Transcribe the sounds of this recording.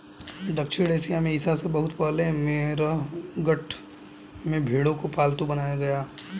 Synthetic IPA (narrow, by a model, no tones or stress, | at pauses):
d̪ɐkʃɪɽeːsijamẽɪsasebɐɦʊt̪pəːlemeɾəɡɐʈʰ | mẽbʱeːɽõkopaːlt̪ũbɐnaːjaɡɐjaː